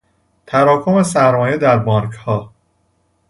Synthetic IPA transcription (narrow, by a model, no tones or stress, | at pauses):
t̪ʰæɾɒːkʰo̞me̞sæɾmɒːjed̪æɾbɒːɾkʰhɒː